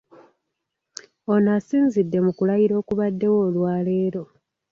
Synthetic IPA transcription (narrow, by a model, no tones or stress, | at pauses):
o̞nasiːnzidːe̞mukulajiɾo̞ːkuβadːe̞wo̞ːlwaːle̞ːɾo̞